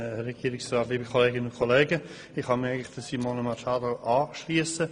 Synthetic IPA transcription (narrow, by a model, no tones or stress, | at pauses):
ɾɛɡ̥iəɾɪksɾaːt̪liːbəkʰoleːɡɪnənʊnkʰoleːɡə | ɪχhɑmɪaɪɡənlɪχd̥əsimonəmɑt͡ʃɑːd̪əʔɑːʃliəsə